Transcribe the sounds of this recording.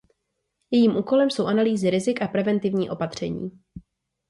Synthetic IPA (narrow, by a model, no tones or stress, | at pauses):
jɛjiːmʔuːko̞lɛmso̞wʔanaliːzɪɾɪzɪkʔapɾɛvɛnt̪ɪvɲiːʔo̞pat̪r̝̥ɛɲḭː